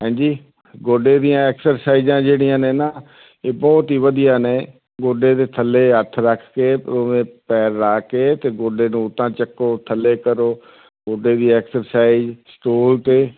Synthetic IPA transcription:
ɦɛ̃ːd͡ʒiː | ɡoːɖeːd̪ijãːɛːksəɾsaːizãːd͡ʒeːɽijãːnẽːnaː | eːbɔːt̪iːʋəd̪ijaːneː | ɡoːɖeːt̪eːt̪ʰəlːeːɦət̪ʰɾəkʰkeːpəɾʊẽːpɛːɾːaːkeːt̪eːɡoːɖeːnũːʊt̪ãːt͡ʃəkːoːt̪ʰəlːeːkəɾoː | ɡoːɖeːd̪iːɛːksəɾsaːɪzsʈoːlt̪eː

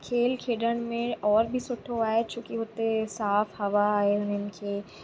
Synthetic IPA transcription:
kʰeːlkʰeːɖəɽ̃mẽɔːɾbʱisʊʈʰoaːɦet͡ʃõːkiɦʊt̪esaːfhɐʋaːɦeɦʊnənɪ̆kʰeː

